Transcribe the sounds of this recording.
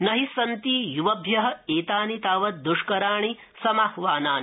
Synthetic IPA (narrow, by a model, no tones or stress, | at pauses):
nɐɦisɐnt̪iːjuʋɐbʱjɐɦɐ̆eːt̪aːnit̪aːʋɐt̪̚d̪uʂkɐɾaːɳi | sɐmahʋaːnaːn